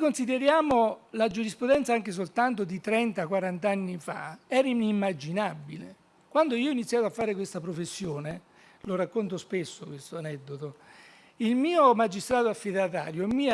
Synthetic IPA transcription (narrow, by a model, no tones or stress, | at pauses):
konsid̪eɾjaːmolad͡ʒuɾispɾud̪ɛnt̪saaŋk̟es̬olt̪ant̪od̪it̪ɾɛnt̪akwaɾant̪anːifa̰ɛːɾinimːad͡ʒinabːilḛ | kwand̪oiːoinit̪sjaːt̪oafːaːɾekwest̪apɾofesːjoːne | lorakːont̪̬ospesːokwest̪oanɛd̪ːot̪o | ilmiːomad͡ʒːist̪ɾaːt̪oafːid̪at̪a̰ːɾjoɛmːiː